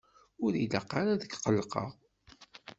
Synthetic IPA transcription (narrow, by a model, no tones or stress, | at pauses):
ʊɾiləqːaɾaðəkqəlːqɑ̰ʁ